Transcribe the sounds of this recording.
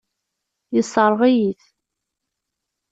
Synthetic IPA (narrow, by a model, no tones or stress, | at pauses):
jəsˤːəɾˤʁijiθ